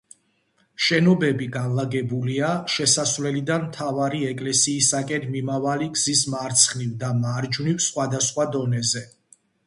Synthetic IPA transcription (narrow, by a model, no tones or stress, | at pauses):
ʃɛnɔbɛbiɡanlˠaɡɛbuliaʃɛsasvlɛlid̪anmt̪ʰavaɾiɛkʼlɛsiːsakʼɛnmimavaliɡzismaɾt̪sʰχnivd̪amaɾd͡ʒnifsχwad̪asχwad̪ɔnɛzɛ